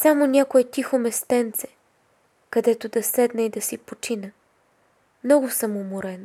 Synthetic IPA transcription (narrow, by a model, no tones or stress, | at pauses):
samonʲakoɛt̪ʲixomɛst̪ɛnt̪sɛ̥ | kɐd̪ɛt̪od̪ɐsɛd̪nɛid̪ɐsipot͡ʃinə | mnɔɡʊsɐmʊmoɾɛn